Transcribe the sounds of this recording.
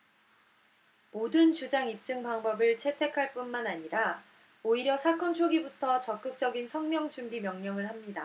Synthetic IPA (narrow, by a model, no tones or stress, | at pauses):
modɯnt͡ɕud͡ʑaŋip̚t͡ɕ͈ɯŋpaŋbʌbɯɭt͡ɕʰe̞tʰe̞kʰaɭp͈unmanaɲiɾa | oiɾjʌsʰak͈ʌnt͡ɕʰoɡibutʰʌt͡ɕʌk͈̚ɯk̚t͡ɕ͈ʌɡinsʰʌŋmjʌŋd͡ʑumbimjʌŋɲʌŋɯɭhamɲida